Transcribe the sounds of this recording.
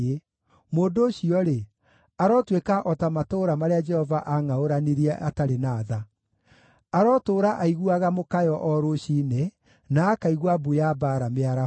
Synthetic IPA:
e | moːndoːɕiɔɾe | aɾɔtwekaʔɔtamatoːɾamaɾead͡ʒɛhɔvaʔaŋaoɾaniɾiɛʔataɾenaːða | aɾɔtoːɾaʔaiɣuaɣamokajɔʔɔɾoɕiːne | naːkaiɣwabujabaːɾameaɾa

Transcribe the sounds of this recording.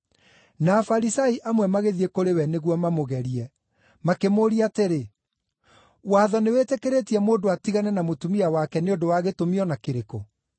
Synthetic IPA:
naːfaɾisaiʔamwɛmaɣeðiekoɾewɛneɣwɔmamoɣɛɾiɛ | makemoːɾiateɾe | waːðɔnewetekeɾetiɛmoːndoatiɣanɛnamotumiawakɛneondowaːɣetomiɔnakeɾeko

